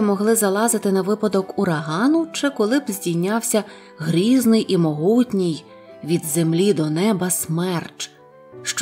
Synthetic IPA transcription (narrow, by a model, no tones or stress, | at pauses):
mɔɦlˠɪzɐlˠɑzɪt̪ɪnɐʋɪpɐd̪ɔkuɾɐɦɑnʊt͡ʃɪkɔlˠɪbzʲdʲijʲnʲɑwsʲɐ | ɦɾʲiznɪjʔimɔɦutʲnʲij | ʋʲid̪zemlʲid̪ɔnɛbɐsmɛrt͡ʃ | ʃt͡ʃ